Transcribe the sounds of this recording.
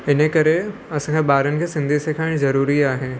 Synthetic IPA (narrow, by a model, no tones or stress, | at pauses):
ɪnəkɐɾe | ɐsãːkʰebaːɾənɪ̆kʰeːsɪ̃nd̪ʱisekʰaːɪɽ̃zɐɾuːɾiaːɦe